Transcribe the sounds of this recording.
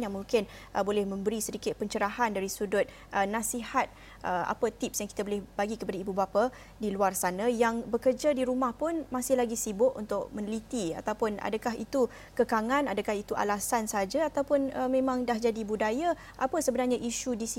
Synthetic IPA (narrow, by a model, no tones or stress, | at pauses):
jaŋmuŋkɪn | ʔbolɛhmə̃mbəɾisədikɪt̪̚pəɲt͡ʃəɾaɦandaɾisudʊt̪̚ | ʔənãsihat̪̚ | ʔəa̰pət̪ip̚sjaŋkit̪abolɛhbaɡikəpadaibubapa | diluarsanajaŋbəkərd͡ʒadiɾumahpʊnmasɪhlaɡisibʊʔṵnt̪ʊk̚mə̃nlit̪ia̰t̪awpʊna̰dakaɦḭt̪u | kəkaŋãnadəkaɦit̪uʔa̰lasansəɦad͡ʒaat̪awpʊnəmẽmãŋdahd͡ʒadibudaja | ʔapəsəbənarɲaʔiʃudisi